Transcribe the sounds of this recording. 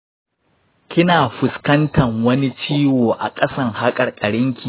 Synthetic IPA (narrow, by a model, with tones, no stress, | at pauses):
kʲɪ˦naː˨ɸʊ˨skɐ˦ntʰɐ˨ŋwɐ˦ni˦t͡ʃiː˦woː˨ʔa̰˨kʼɐ˦sɐ˦ŋha˦kʼɐ˨rkʼɐ˨ɽɪ˦ŋkʲi˨